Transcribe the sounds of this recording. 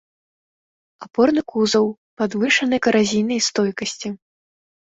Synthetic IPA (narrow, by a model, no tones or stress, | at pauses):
apɔrnɨkuzɐw | pad̪vɨʂɐnɨkɐɾazʲijnɐjst̪ɔjkɐsʲt͡sʲi